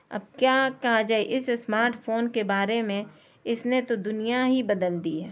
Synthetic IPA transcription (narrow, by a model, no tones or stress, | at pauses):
ɐ̰b̚kjaːkɐɦad͡ʒaːeʔɪssmaːɾʈpʰoːnkebaːɾemẽ | ɪsnet̪od̪ʊnijaɦibɐd̪əld̪iɦɛː